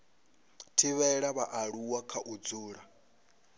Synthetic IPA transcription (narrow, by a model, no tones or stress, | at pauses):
tʰiβɛɺaβaʔaɺuwakʰaʔud͡zuːɺa